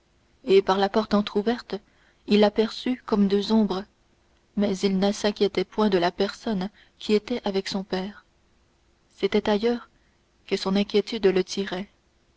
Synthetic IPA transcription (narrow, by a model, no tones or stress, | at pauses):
epaʁlapɔʁt̪ɑ̃t̪χuvɛʁt̪ | ilːapɛʁsykɔmd̪øzɔ̃bʁə | mɛzilnəsɛ̃kʲjɛt̪ɛpwɛ̃d̪əlapɛʁsɔn | kʲʰiet̪ɛʔavɛksɔ̃pɛːʁ | set̪ɛt̪ajœːʁ | kəsɔ̃nɛ̃kʲjet̪yd̪lət̪ʰiʁɛ